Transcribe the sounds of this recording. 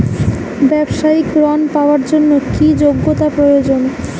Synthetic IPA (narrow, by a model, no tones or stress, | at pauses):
bɛbʃaikɾɔnpaoaɾd͡ʑonːokid͡ʑoɡːot̪apɾojod͡ʑon